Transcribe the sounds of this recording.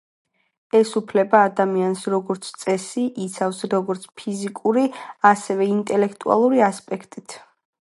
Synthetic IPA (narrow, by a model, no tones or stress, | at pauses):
ɛsupʰlɛbaːd̪amiansɾɔɡɔɾt̪sʰt̪sʼɛsiʔit̪sʰafsɾɔɡɔɾt̪sʰpʰizikʼuɾiasɛvɛint̪ʼɛlɛkʰt̪ʼua̰lˠuɾiaspʼɛkʰt̪ʼit̪ʰ